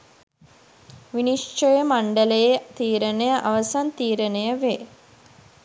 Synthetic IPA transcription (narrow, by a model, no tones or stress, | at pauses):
ʋiniʂt͡ʃojəmaɳɖələjet̪iːɾənejəʔaʋəsant̪iːɾənejəʋeː